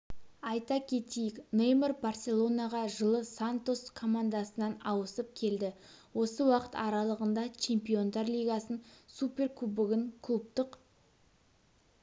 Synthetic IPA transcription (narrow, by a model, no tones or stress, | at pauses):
ɑjt̪ɑkʲʰe̞t̪ijɪknejmərbarsʲe̞lˠo̞naʁɑʒəlˠəsant̪o̞skʰo̞mand̪asənɑnɑwəsəp̚kʲʰe̞ld̪ɪ | wo̞səwɑqə̥t̪ɑɾɑlˠəʁənd̪ɑt͡ʃʰe̞mpijo̞nd̪ɑɾlʲijɡasənsupʲe̞rklubɪɡʲɪŋkʰlˠup̚t̪əq